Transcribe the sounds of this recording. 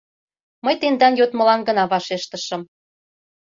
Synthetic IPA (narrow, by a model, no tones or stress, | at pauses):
məjt̪end̪ɑnjot̪mə̆lɑnɡə̆nɑβɑʃeʃt̪əʃə̆m